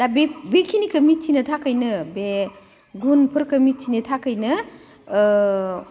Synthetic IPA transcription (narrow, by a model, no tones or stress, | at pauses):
d̥abebekʰinikɐmit͡ʃinɐtʰakɯjnɯbe | ɡunpʰɯɾkɐmit̚t͡ʃinetʰakɯjnɯ